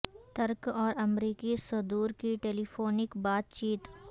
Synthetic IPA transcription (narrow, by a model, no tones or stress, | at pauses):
t̪ɐɾkɔːɾɐmɾiːkisʊd̪uːɾkiʈeːlifʰoːnɪkbaːt̪̚t͡ʃiːt̪